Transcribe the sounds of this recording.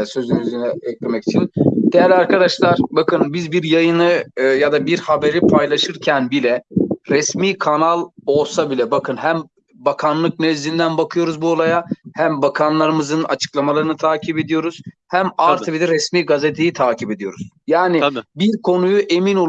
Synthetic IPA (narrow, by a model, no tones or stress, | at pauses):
sø̞zynyyzynɛɛclʲemɛci̥t͡ʃʰind̪̥ejæɾlʲaɾkad̪aʃlˠaɾbakʰɯnbizbiɾjajɯnɯjad̪abiɾhabeɾipʰajlˠaʃɯɾcʰænbilʲɛɾɛsmiːkʰanalˠo̞lˠsabilʲɛbakʰɯnɦæm | bakʰanlˠɯk̚nɛzlʲind̪ænbakʰɯjo̞ɾuzbuo̞lˠajahæmbakʰanlˠaɾɯmɯzɯna̰t͡ʃʰɯ̥klˠamalˠaɾɯnɯt̪ʰaːcʰipe̞d̪ijo̞ɾuz̥ | hæmaɾt̪ʰbid̪ɛɾɛsmiːɡaze̞t̪ʰe̞jit̪ʰaːcʰipe̞d̪ijo̞ɾuz̥ | jaːnɪbiɾkʰo̞nujuʔe̞mino̞l